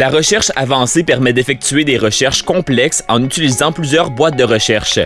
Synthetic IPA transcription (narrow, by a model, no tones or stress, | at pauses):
laʁəʃɛʁʃa̰vɑ̃sepɛʁmɛd̪efɛk̚t̪t͡syed̪eʁəʃɛʁʃkɔ̃plɛksɑ̰̃nyt͡silizɑ̃plyzjœːʁbwat̪̚d̪əʁəʃɛʁʃ